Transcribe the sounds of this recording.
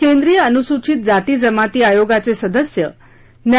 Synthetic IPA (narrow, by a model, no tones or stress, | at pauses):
kẽnd̪ɾijəənusut͡ɕit̪̚d͡zat̪id͡zəmat̪iajoɡat͡sesəd̪əsjə̰ | nja